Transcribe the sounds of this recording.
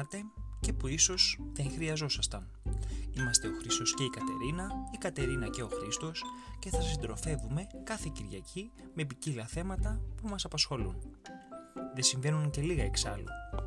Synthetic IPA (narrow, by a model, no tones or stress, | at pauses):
ɐt̪e̞ce̞puiso̞sðeŋxɾiɐzo̞sɐst̪ɐn | imɐst̪e̞o̞xɾist̪o̞sce̞ikɐt̪e̞̰ɾinɐikɐt̪e̞ɾinɐce̞o̞xɾist̪o̞sce̞θɐsind̪ɾo̞θe̞vume̞kɐθe̞ciɾʝɐ̰cʰi | me̞p̬icilɐθe̞mɐt̪ɐpumɐsɐpɐsxo̞lṵn | ðe̞siɱve̞nunce̞liɣɐe̞ksɐlṵ